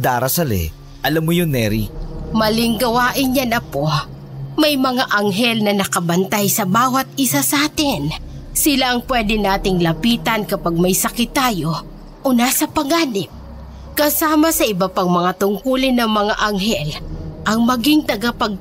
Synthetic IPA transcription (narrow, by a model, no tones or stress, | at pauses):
d̪aːɾɐsɐlɛ̰ | ʔɐlamːʊjonːɛɾḭmɐlɪŋɡɐwaːʔɪnjɐnɐpo | mɐjmɐŋaʔɐŋɦɛlnɐnɐkɐbɐnt̪ajsɐbaːwɐt̪̚ɪsasaːt̪ɪn | sɪlaʔɐŋpwɛːd̪ɪnaːt̪ɪŋlɐpiːt̪ɐnkɐpaɡ̚mɐjsɐkɪt̪ːaːjo̞ | ʔonasɐpɐɡaːnɪp̚ | kɐsaːmɐsɐʔɪbɐpaŋmɐŋat̪ʊŋkuːlɪnɐŋmɐŋaʔɐŋɦɛlʔɐŋmɐɡiŋt̪ɐɡapɐɡ̚